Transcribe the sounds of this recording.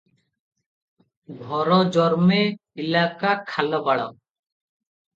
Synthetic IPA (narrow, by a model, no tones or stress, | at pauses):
ɡʱɔɾɔd͡ʒɔɾmeilakakʰalɔbaɽɔ̰